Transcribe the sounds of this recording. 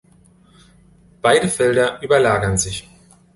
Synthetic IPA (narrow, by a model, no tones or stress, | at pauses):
b̥aɪdəfɛldɐʔyːbɐlaːɡɐnzɪç